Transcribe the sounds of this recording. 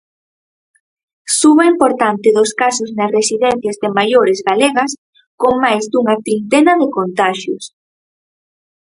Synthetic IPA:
suβɐimpoɾt̪ant̪ɪðʊskasʊznɐsresiðɛnθjazðemajoɾɪzɣaleɣɐs | koŋmajzd̪uŋɐt̪ɾint̪ɛnɐðekont̪aʃjʊs

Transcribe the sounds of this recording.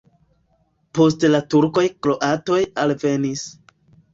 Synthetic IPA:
po̞stlatuɾko̞jkɾo̞ʔato̞jalve̞nis

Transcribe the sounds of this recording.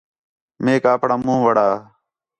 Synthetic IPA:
meːkaːpɽaːmũːʋəɽaː

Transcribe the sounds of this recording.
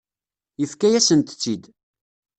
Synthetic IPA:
jəfkæjæsənt̪t͡sːid̪

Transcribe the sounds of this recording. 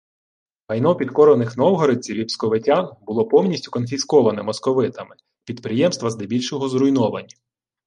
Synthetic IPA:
ɦɐjnɔpʲid̪kɔɾɔnɪxnɔwɦɔɾet͡sʲiʋʲipskɔʋɪtʲanbʊlˠɔpɔwnʲisʲtʲʊkɔnfʲiskɔʋɐnɛmɔskɔʋɪt̪ɐmɪ | pʲid̪pɾɪjɛmst̪ʋɐzd̪ebʲilʲʃɔɦɔzɾʊjnɔʋɐnʲːɐ

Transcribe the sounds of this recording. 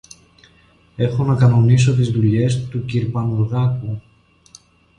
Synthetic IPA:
e̞xo̞nɐkɐno̞niso̞t̪izðuʎe̞st̪uciɾpɐnuɾɣɐku

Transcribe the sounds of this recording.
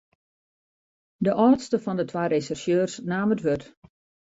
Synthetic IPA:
dəʔɔːtstəfɔndətʰʋaːɾesɛrsjøːrsnaːmətʋøt

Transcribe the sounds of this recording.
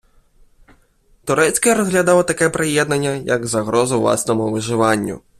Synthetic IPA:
t̪ʊɾɛt͡sʲkɐɾɔzɦlʲɐd̪ɑlˠɐt̪ɐkɛpɾejɛd̪nɐnʲːɐjɐɡzɐɣɾɔzʊʋlˠɑ̰snɔmʊʋɪʒɪʋɑnʲːʊ̰

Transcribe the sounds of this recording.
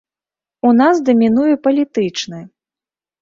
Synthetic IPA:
unasd̪ɐmʲinujɛpɐlʲit̪ɨt͡ʂnɨ

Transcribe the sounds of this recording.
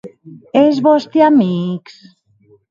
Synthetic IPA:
ezβɔst̪iamiks

